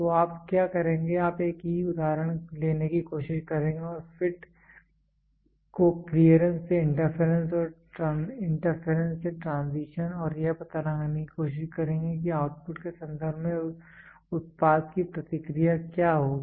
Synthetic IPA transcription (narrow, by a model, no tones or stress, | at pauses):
t̪oaːpkjaːkɐɾẽːŋɡeaːpeːkiiʊd̪aːɾəɽ̃leːnekikoːʃɪʃkɐɾẽːŋɡeɔːɾfɪʈ | kopɾiəɾə̃nːeɪ̃ɳʈəɾfʰeɾə̃nsɔːɾʈɾãːɪ̃ɳʈəɾfʰeɾə̃nsːeʈɾãːnziːʃənɔːɾjeɦpɐt̪aləŋnekikoːʃɪʃkɐɾẽːŋɡekiaːʊʈfʊʈkesɐ̃nd̪ʱəɾbʱmẽ | ʊt̪̚paːd̪kipɾɐt̪ɪkɾijakjaːɦoːɡi